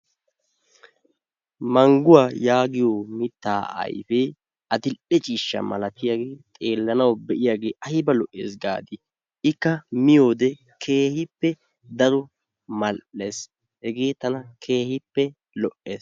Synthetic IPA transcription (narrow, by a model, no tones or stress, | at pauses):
mɐŋɡʊwaːjaːɡɪjoːmɪt̪ːaːɐ̰jfɛ | ɐt̪ɪlʔɛt͡ʃʼiːʃːɐ̰mɐlɐt̪ːɪjaːɡeːt̪ʼe̞ːlːɐnɐwbɛʔɪjaːɡeːʔɐjɪbɐlɔʔḛːsɡa̰ːd̪ɪ | ɪkːɐmɪjo̞ːd̪ɛ | kʰeːhɪpːɛ | d̪ɐɾɔ | mɐlʔeːs | hɛɡe̞ːt̪ɐnɐkʰe̞ːhɪpːɛ | lɔʔḛːs